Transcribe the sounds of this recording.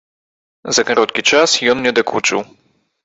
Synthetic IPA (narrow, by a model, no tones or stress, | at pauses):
zɐkaɾɔt̪̚kʲit͡ʂasjɔnnʲɛd̪akut͡ʂɨ̰w